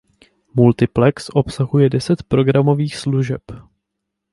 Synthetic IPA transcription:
mult̪ɪplɛksʔo̞psaɦujɛdɛsɛt̪pɾo̞ɡɾamo̞viːxsluʒɛp

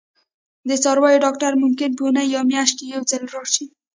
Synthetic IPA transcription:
d̪ət͡sɑɾwɑjoɖɑk̚ʈaɾmʊmkɪnpunajjawmjɑʃt̚kejawzalɾɑʃi

